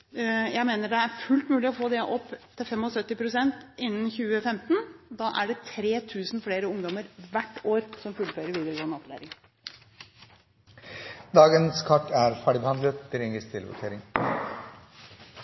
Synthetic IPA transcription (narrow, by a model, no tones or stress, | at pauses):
jæɪmeːnəɖɛæɾfʉlt̪mʉːlɪɔfoːd̪ɛʔɔpːt̪ʰɪlfɛmːɔsœt̪ːɪpʰɾʊsɛnt̪ɪnːən̩çʉːəfɛmt̪n̩d̪ɑːʔæɖɛt̪ʰɾeːt̪ʰʉːsn̩fleːɾəʊŋd̪ɔməɾʋæʈːoːɾsɔmfʉlføːɾəɾʋiːd̪əɾəɡoːnɑt̪læ̰ːɾɪŋ | d̪ɑːɡənskʰɑʈːæɾfæːɖɪbɛhɑnd̪lət̪̚t̪ɪɾɪŋɡəst̪ʰɪlʋʊ̰ʈʰeːɾɪŋ